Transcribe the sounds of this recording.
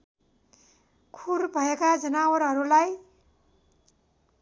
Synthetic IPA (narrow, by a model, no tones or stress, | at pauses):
kʰurbʱʌekad͡zʌnawʌɾɦʌɾulaj